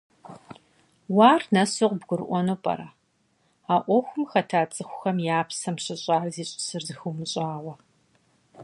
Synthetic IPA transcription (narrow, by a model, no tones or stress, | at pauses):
waːrnɐsɨqbɡʷʊɾʔʷɔnoːpʼɐ̰ɾaː | aːʔʷɔxʷʊmxɐtʰaːt͡sʼɨxʷʊxɐmjaːpʰsɐmɕɪɕʼaːrziːɕʼɪ̥sɨrzɨxumɨɕʼaːʁʷɐ